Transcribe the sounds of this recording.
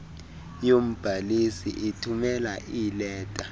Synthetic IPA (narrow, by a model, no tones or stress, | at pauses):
jom̩b̥ʱalisḭʔitʰumɛlaʔilɛːtʼa